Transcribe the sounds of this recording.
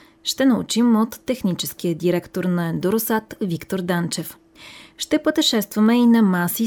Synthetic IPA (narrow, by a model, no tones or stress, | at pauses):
ʃt̪ɛnɐṵt͡ʃimot̪ːɛxnit͡ʃɛsk̟ijəd̪iɾɛkt̪oɾnɐɛnd̪oɾʊsat̪vikt̪oɾd̪ant͡ʃɛf | ʃt̪ɛpot̪ɛʃɛst̪vɐmɛinɐmasi